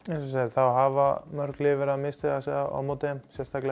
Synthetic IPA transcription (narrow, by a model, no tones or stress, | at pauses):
ɛnsɔsaθawɦava̰mœɾ̥klɪvɛɾamɪst̪ɛasɛaɔ̰mut̪ɪmsjɛst̪akl